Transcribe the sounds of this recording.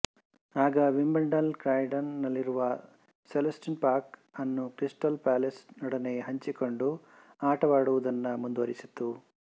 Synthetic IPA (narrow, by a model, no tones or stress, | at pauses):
aːɡɐʋimbɐɳɖɐlkɾaːjɖɐnːɐlːiɾuʋɐ | selɐsʈinpaːɾkɐnːukɾisʈɐlpaːlesnɔɽɐneɦɐɲt͡ʃiko̞ɳɖu | aːʈɐʋaːɽuʋud̪ɐnːɐmund̪ʋɐɾisit̪ːu